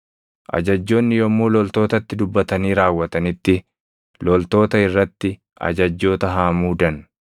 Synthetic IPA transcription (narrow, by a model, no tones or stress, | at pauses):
ʔɐ̰d͡ʒɐd͡ʒːo̞ːnːɪjɔmːuːlɔlt̪o̞ːt̪ɐt̪ːɪd̪ʊbːɐt̪ɐniːɾaːwːɐt̪ɐnɪt̪ːɪ | lɔlt̪o̞ːt̪ɐɪrːɐt̪ːɪ | ɐ̰d͡ʒɐd͡ʒːo̞ːt̪ɐɦaːmuːd̪ɐn